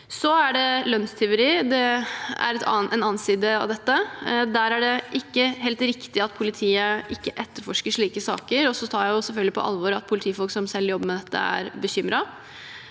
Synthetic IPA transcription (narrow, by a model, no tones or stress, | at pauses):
sɔæɖɛlœnst̪ʰɛʊɾiːd̪ɛæ̰ɾɛt̪ːɛnɑːnsiːd̪əɑ̰ʋd̪ɛt̪ːəd̪æːɾæɖɛʔɪkːəɦeːlt̪ɾɪkt̪ɪɑt̪pʰʊlɪt̪ʰiːəʔɪkːəʔɛt̪ːəɾfɔʂkəʂɭiːkəsɑ̰ːkəɾɔsɔt̪ʰɑːɾjæɪjʊsɛlfœlɡ̪lɪpʰɔ̰ʔɑ̰lʋɔɾɑt̪̚pʰʊlɪt̪ʰiːfɔlksɔmsɛlːjɔbːəmɛd̪ɛt̪ːə̰æ̰ɾbəçʏmɾɑ